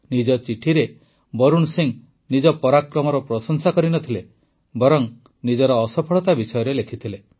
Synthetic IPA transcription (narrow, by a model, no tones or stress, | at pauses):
nid͡ʒɔt͡ʃiʈʰiɾe | bɔɾunsiŋ | nid͡ʒɔpɔɾakɾɔmɔɾɔpɾɔsɔŋsakɔɾinɔt̪ʰile | bɔɾɔŋ | nid͡ʒɔɾɔːsɔpʰɔɭɔt̪abisɔjɔɾelekʰit̪ʰile